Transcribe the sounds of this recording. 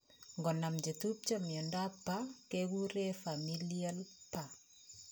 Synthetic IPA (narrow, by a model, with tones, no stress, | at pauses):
ŋɡɔ˨na˨md͡ʒe˨tu˦b̚t͡ʃamjɔ˨ndapːa˦keɡu˦ɾefamilia˦lpa